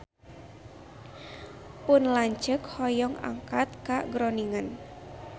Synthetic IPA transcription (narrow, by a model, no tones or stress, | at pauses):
pʊnlaɲt͡ʃəkhɔjɔŋa̰ŋkat̪̚kaɡɾoniŋən